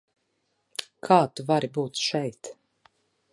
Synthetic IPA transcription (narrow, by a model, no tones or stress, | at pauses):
kʰaːt̪uvaɾibuːt̪ʃɛjt̪